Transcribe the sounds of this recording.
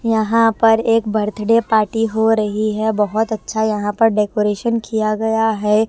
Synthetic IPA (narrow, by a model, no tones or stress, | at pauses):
jɐɦãpɐɾeːkbɐɾt̪ʰɖepaːɾʈiɦoɾɐɦiɦɛbɐɦʊt̪ɐtːʃʰajɐɦãpɐɾɖeːkoːɾeːʃənkijaɡɐjaɦɛː